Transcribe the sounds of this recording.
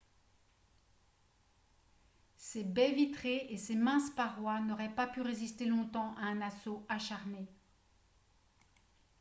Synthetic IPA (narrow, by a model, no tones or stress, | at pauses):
sebɛvit̪χeesemɛ̃spaʁwanɔʁɛpapyʁezist̪elɔ̃t̪ɑ̃ʔaɛ̃nasoaʃaʁme